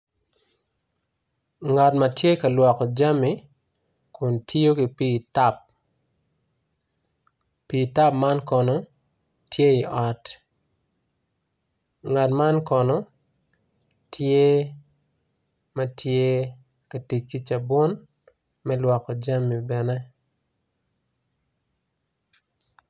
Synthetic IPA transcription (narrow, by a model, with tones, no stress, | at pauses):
ŋa˨tma˨tje˦ka˨lwɔ˨kɔ˨d͡ʒa˦mːi˨ | kʰʊ˨ntʰjo˦ki˨pi˦ta˦p̚ | pi˨ta˦p̚ma˦nkɔ˨nɔ˨ | tje˦i˨ʔɔ˨t | ŋa˨tma˦nkɔ˨nɔ˦ | tʰje˦ | mɐ˦tʰje˦ | ka˨ti˨t͡ʃki˦t͡ʃa˨bʊ˦n | mɛ˦lwɔ˨kɔ˨d͡ʒa˦mːi˨bɛ˨nɛ˦